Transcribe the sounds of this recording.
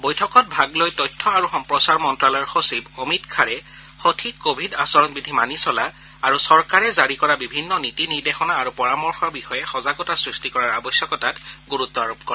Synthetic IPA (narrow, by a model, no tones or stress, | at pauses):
bojtʰɔkɔt̚bʱaɡlojtɔjtʰːɔaɹuxɔmpɹɔsaɹmɔntɹalɔɛɹxosibomitkʰaɹɛ | xotʰikkobʱidasɔɹɔnbidʱimanisɔla | aɹusɔɹkaɹɛzaɹikɔɹabibʱinːɔnitiniɹdexɔnaːɹupɔɹamɔɹxɔbixɔjɛxɔzaɡɔtasɹistikɔɹaɹabɔsjɔkɔtatɡuɹut̪ːɔaɹopkɔɹɛ